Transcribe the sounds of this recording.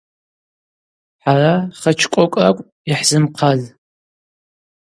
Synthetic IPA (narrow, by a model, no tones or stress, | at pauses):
ħaraχɐt͡ʃʰkʷʼɔkʷʼra̰kʷʼ | ɪħzɨmqʰaz